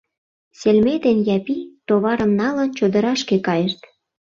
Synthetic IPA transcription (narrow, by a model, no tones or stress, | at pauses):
selmet̪enjɑpit̪oβɑɾəmnɑlənt͡ɕod̪ə̆ɾɑʃkekɑjeʃt̪